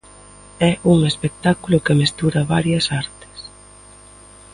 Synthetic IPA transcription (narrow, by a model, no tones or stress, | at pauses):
ɛʔuŋespek̚t̪akulʊkemest̪uɾɐβaɾjɐsaɾt̪ɪ̥s